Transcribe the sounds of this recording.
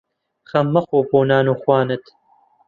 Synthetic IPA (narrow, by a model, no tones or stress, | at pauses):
xɐmːɐxoːboːnaːnuːxwaːnɨt̪